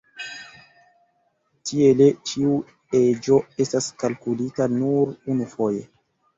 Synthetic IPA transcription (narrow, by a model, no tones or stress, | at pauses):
tie̞le̞t͡ʃiu | e̞d͡ʒo̞e̞staskalkulitanuɾunufo̞je̞